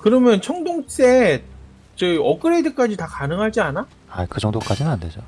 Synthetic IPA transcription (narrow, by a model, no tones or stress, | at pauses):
kɯɾʌmjʌnt͡ɕʰʌŋdoŋs͈e | t͡ɕɯiʌk͈ɯɾedɯk͈ad͡ʑitakanɯŋɦad͡ʑiana | akɯd͡ʑʌŋdok͈ad͡ʑinɯnanded͡ʑo